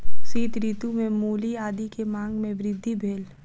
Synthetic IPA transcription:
siːt̪ɾiːt̪umẽmuːliaːd̪ikemãːŋɡmẽʋɾɪd̪ʱːibʱeːl

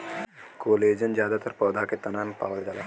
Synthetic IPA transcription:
koːleːd͡ʒənd͡ʒjaːd̪at̪ɐɾpɐːd̪ʱaket̪ɐnaːnpa̰ːʋəld͡ʒala

